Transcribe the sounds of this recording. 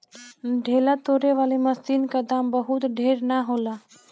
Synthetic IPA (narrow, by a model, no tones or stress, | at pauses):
ɖʱeːlat̪oːɾeʋaːlemɐsiːnkad̪aːmbəɦʊt̪ɖʱeːɾnaɦoːlaː